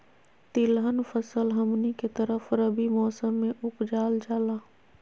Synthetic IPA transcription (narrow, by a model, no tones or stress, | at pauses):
t̪ɪlɦənfʰəsəlɦəmniket̪əɾəfɾəbimɔːsəmːẽʔʊkd͡ʒaːld͡ʒaːlaː